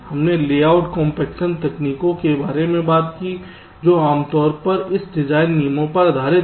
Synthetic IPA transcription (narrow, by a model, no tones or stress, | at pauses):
hɐmneleːaːʊʈkɔ̃ːmpɛːkʃənt̪ɛkniːkõkebaːɾemẽbaːt̪ki | d͡ʒoːaːmt̪ɔːɾpɐɾɪsɖɪd͡ʒaːɪnːiːmõpɐɾɐd̪ʱaːɾɪ